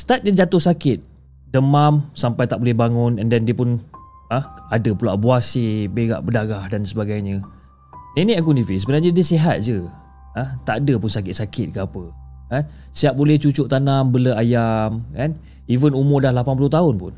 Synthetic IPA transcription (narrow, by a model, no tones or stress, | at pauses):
st̪at̪̚ɲəd͡ʒat̪ʊhsakɪt̪̚ | dəmamsampajt̪aʔbolɛhbaŋʊnɛndɛndiəpʊn | aadəpula̰ʔbuasibeɡa̰ʔbədaɡahdansəbaɡajɲə | inĩak̬univisəbənarɲadiəsiɦat̪̚d͡ʒə | at̪aʔadəpʊnsakɪt̪̚sakʰɪt̪̚kəapə | kan | siap̚bolɛht͡ʃut͡ʃʊʔt̪anambələajamkan | ivənumʊrdahlapanpuluht̪aʊnpʊn